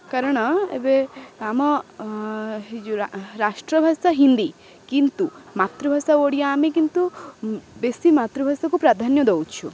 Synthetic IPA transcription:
kaɾɔɽ̃ɔḛbeamɔ | d͡ʒuɾasʈɾɔbʱasaɦind̪i | kint̪umat̪ɾɔbʱasaoɽijaːmekint̪u | besimat̪ɾɔbʱasakupɾad̪ʱanjɔd̪owt͡ʃʰu

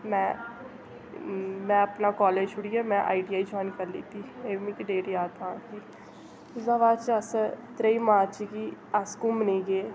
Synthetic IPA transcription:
mɛ̃ː | mɛ̃ːəpnaːkɔːleːd͡ʒt͡ʃʰʊɽiːaːmɛ̃ːʔa̰ːiɖiːaːid͡ʒɔːjnkəɾlḭt̪iːeːmĩːkiɖeːɾiaːt̪ãːɳkiː | zaʋaːt͡ʃəst̪ɾeiːmaːt͡ʃːkiːaskʊməniːɡeː

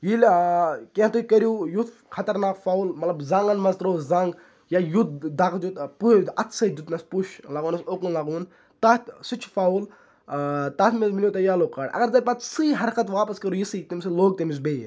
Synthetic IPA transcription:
jilkeɦt̪ukɐɾjuːjut̪ʰkʰɐt̪ɐɾnaːkfaːwlmɐt̪lɐbzaŋɡɐnmɐzt̪ɾoːzɐŋɡ | jaːjut̪̚ʰd̪aːkt̪jut̪puɐt̪ʰsɐd͡ʒ̪ut̪nɐspuʃlaɡoːnɐsoːkunlaɡuːn | t̪aːt̪ʲsut͡ʃʰfaːul | t̪aːt̪mizmilʲjoːt̪ɐjaːloːkːaːɽɐ̰ɡɐɾzɐpaːt̪sɨːɦɐɾkɐt̪ʋaːpɐskɐɾujisiːt̪imsɨloːɡ̚t̪imis̬beː

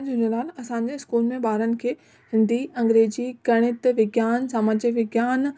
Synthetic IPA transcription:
d͡ʑunolaːlɐsãːɲ̆d͡ʑeɪskuːlmẽɓaːɾənɪ̆kʰeː | hɪ̃nd̪ʱiɐ̃ŋɡɾeːd͡ʑikɐɽ̃ɪt̪ʋɪɡjaːnsaːmaːd͡ʑəʋɪɡjaːn

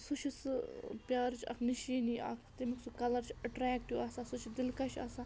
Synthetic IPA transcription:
sut͡ʃʰisɨpjaːɾt͡ʃʰɐ̰kʰniʃiːniːʔɐ̰kʰt̪imiksukɐlɐɾt͡ʃʰɐʈɾɛːk̚ʈiʋaːsasut͡ʃʰid̪ɪlkat͡ʃʰa̰ːsaː

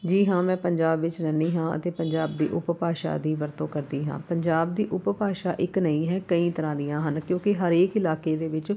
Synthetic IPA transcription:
d͡ʒiːɦãːmɛ̃ːpəɲd͡ʒaːbʋɪt͡ʃnɛːniːɦãːə̰t̪eːpəɲd͡ʒaːbd̪ḭːʔʊppaːʃa̰ːd̪iːʋəɾt̪õːkəɾd̪iːɦã̰ːpəɲd͡ʒaːb̚d̪iːʔʊppaːʃaːʔɪknəĩːɦɛːkəĩːt̪əɾãːd̪ijãːɦənkjõːkɪɦəɾeːkɪlaːkeːd̪eːʋɪt͡ʃ

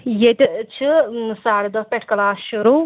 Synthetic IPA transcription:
jet̪ʲit͡ʃʰɨsaːɽd̪ɐpʲeʈʰkɐlaːʃuɾu

